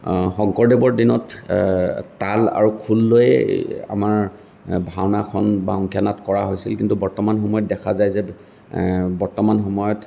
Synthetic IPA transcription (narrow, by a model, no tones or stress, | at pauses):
xɔŋkɔɹdɛbɔɹdinɔtː | ala̰ɹukʰulːojɛ̰a̰maɹ | bʱawnakʰɔnbaɔŋkʰjanatkɔɹaɦojsilkintubɔɹtɔmanxɔmɔjɔt̚dɛkʰazajzɛ | bɔɹtɔmanxɔmɔjɔt